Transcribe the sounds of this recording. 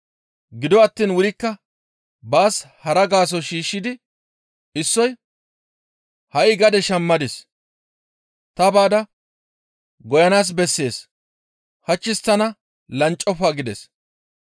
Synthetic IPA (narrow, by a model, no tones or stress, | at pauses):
ɡɪd̪ɔɐt̪ːiːnwʊɾɪkːɐ | baːshɐɾɐɡaːs̬ɔʃiːʃːɪd̪ɪ | ɪsːɔj | hɐjɪɡɐd̪ɛʃɐmːɐd̪ɪs | t̪ɐbaːd̪ɐ | ɡɔjɐnaːs̬bɛsːe̞ːs | hɐt͡ʃːɪst̪ːɐnɐ | lɐnt͡ʃʼːɔfaːɡɪd̪ɛs